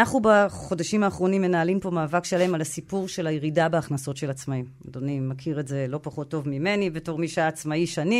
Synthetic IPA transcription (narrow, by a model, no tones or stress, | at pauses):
naχnubaχo̞daʃimaːχʁo̞nimːe̞naːlimpo̞maːvakʃalaemalasipuʁʃe̞lajeʁidabeaχnaso̞tʃelat͡smaimado̞nimakʰiʁetze̞lo̞paχo̞tːo̞vmime̞nivetoʁmiʃaːt͡smaiʃani